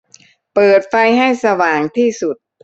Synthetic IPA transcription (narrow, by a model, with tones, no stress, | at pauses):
pɤː˨˩t̪̚fa˧jɦa˥˩jsa˧waː˨˩ŋt̪ʰiː˥˩su˨˩t̪̚